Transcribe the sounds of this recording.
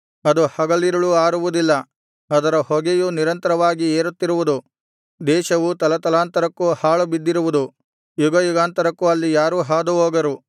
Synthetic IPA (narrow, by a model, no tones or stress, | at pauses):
ɐd̪uhɐɡɐlːiɾɐɭuaːɾuʋud̪ilːɐ | ɐd̪ɐɾɐhɔɡejuniɾɐnt̪ɐɾɐʋaːɡieːɾut̪ːiɾuʋud̪u | d̪ɛːʃɐʋut̪ɐlɐt̪ɐlaːnt̪ɐɾɐkːuhaːɭubid̪ːiɾuʋud̪u | juɡɐjuɡaːnt̪ɐɾɐkːuɐlːijaːɾuɦaːd̪uɦoːɡɐɾu